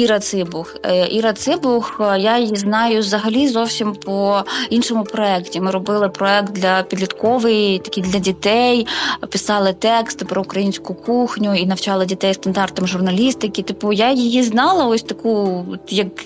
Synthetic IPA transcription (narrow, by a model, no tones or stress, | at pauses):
iɾɐt̪sɪbʊxʔiɾɐt̪sɪbʊxjajjiznɑjʊzɐɦɐlʲizɔwsʲimpʰɔinʃɔmʊpɾɔɛktʲimɪɾɔbɪlˠɪpɾɔɛk̚t̪̚d̪lʲɐpʲid̪ʲlʲit̪kɔʋɪjit̪ɐ̥kʲid̪lʲɐdʲit̪ɛjpɪsɑlˠɪt̪ɛkst̪ɪpɾɔʊkɾɐjinʲsʲkʊkuxnʲʊinɐwt͡ʃɑlˠɪdʲit̪ɛjst̪ɐnd̪ɑrt̪ɐmʒʊrnɐlʲist̪ɪkʲɪt̪ɪpujajijiznɑlˠɐɔsʲt̪ɐkujɐk